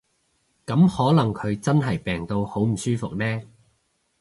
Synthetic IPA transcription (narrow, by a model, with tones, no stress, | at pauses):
kɐ˨˥mhɔː˨˥lɐ˨˩ŋkʰɵ˨˧ɥt͡sɐ˥nɦɐ˨˩jpɛː˨ŋt̪o˧who˨˥wm̩˨˩syː˥fʊ˨k̚nɛː˥